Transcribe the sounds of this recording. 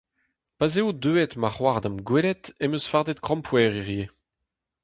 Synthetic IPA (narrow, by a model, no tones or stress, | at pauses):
pazeod̪øːɛt̪maχwaʁd̪amɡwelɛt̪emøsfaʁd̪ɛt̪̚kʁɔ̃mpʰwɛːʁiʁje